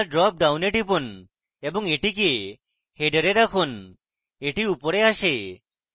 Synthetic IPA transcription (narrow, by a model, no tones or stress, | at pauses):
ɖɾɔp̚ɖawneʈipun | ebɔŋeʈik̬e | heɖəɾeɾakʰun | eʈiupɔɾeaʃe